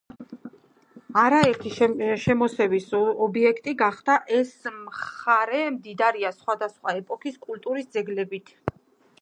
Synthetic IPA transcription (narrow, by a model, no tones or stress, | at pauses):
aɾaɛɾt̪ʰiʃʃɛmɔsɛvisɔbiɛkʰt̪ʼiɡaχd̪̥aʔɛsmχaɾɛmd̪id̪aɾiasχwad̪asχwaɛpʼɔkʰiskʼult̪ʼuɾisd̪zɛɡlɛbit̪ʰ